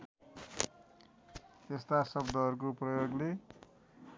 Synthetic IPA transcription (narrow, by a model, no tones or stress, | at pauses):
est̪asʌbd̪ʌʌɾuk̬oprʌjoɡle